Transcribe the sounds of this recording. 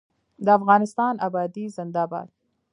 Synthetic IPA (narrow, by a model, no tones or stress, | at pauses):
d̪əafɣɑnɪst̪ɑnʔabɑd̪izɪnd̪ɑbɑ̰d̪̚